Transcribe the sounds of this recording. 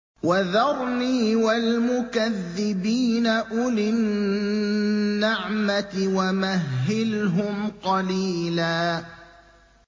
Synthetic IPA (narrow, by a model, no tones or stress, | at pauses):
waðɑɾˤniːwalmʊkaðːɪbiːnaʔʊlɪn | aʕmat̪ɪwamaɦːɪlɦʊmqɑliːlaː